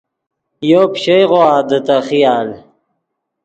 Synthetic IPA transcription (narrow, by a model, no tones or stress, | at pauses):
joːpɕejʁoaːd̪ɐt̪ɐχijaːl